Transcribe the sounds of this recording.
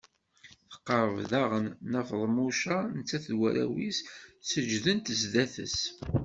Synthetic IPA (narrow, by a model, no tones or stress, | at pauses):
θə̥qːəɾˤəvðæʁənːəfðˤmuʃanət͡sːæθdwæɾæ̰wissəd͡ʒðənt̪əzd̪æθə̰s